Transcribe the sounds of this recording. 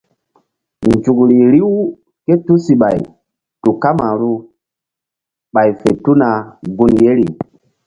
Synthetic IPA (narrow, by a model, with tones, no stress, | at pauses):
nd͡ʒu˨kɾi˨ɾi˦w | ke˦tu˦si˨ɓa˨j | tu˨ka˦ma˨ɾu˦ | ɓa˨jfe˨tu˦na˨ɡu˦nje˦ɾḭ˨